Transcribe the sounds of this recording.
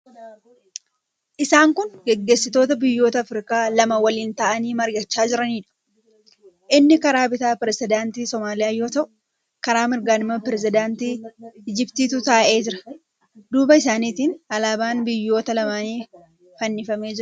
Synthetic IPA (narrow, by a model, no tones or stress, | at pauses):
ʔɪsaːŋkʊnɡɛɡːe̞ːsːɪt̪o̞ːt̪ɐbɪjːo̞ːt̪ɐːfɾɪkaːlɐmɐwɐliːnt̪aːʔɐniːmɐɾɡɐt͡ʃːaːd͡ʒɪɾɐniːᶑɐ̥ | ʔɪnːɪkɐɾaːbɪt̪aːpɪɾɛsɪd̪aːnt̪iːsɔmaːlɪjaːjoːt̪ɐʔʊ̥ | kɐɾaːmɪɾɡaːnɪmɐpɪɾɛs̬ɪd̪aːnt̪iːɪd͡ʒɪbt̪iːt̪ʊt̪aːʔe̞ːd͡ʒɪɾɐ̥ | d̪uːbɐɪsaːniːt̪iːnɐlaːbaːnbɪjːo̞ːt̪ɐlɐmaːniː | fɐnːɪfɐme̞ːd͡ʒɪɾ